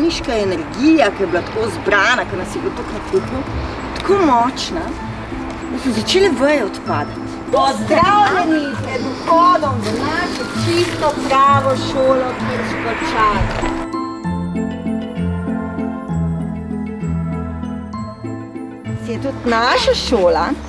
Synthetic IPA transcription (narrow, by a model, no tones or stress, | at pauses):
niʃkaɛnɛɾɡijakɐjɛblat̪koːzbɾaːnakɐnɐsjɛbit̪oknɐt̪ɾipu | t̪kʰoːmɔt͡ʃna | d̪asmɔzat͡ʃeːlɛʋəjɛɔt̪paːd̪at̪ | ɔd̪ɾawnɛniɛzɡɔːd̪ɔmd̪ɐnaʃɛt͡ʃist̪ɔpɾaːʋɔʃoːlɔkiɛʃkɔt͡ʃaːl | sjɛt̪ut̪naːʃaʃoːla